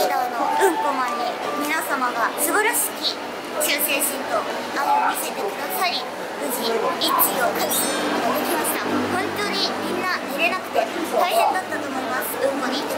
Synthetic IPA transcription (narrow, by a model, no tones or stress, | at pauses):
nanoɯ̟̃mpo̞maɲimʲinasamaɡasɨbaɾaɕi̥kʲi | t͡ɕɨːse̞ːɕĩnt̪o̞ | naomʲit̪e̞t̪e̞kɯ̟d̪asaɾʲi | ɯ̟ʑiikʲːiokaiad̪ekʲimaɕi̥t̪ahõ̞nt̪o̞ːɲ̟imʲĩnːaeɾe̞nakɯ̟̥t̪e̞t̪aiɦẽ̞nd̪at̪ːat̪oːmo̞imasɨ̥ɯ̟̃mpoɲ̟i